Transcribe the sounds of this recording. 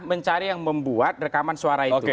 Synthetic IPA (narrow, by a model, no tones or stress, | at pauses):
məɲt͡ʃaɾijaŋməmbuat̪̚rəkamansuaɾaiok̪e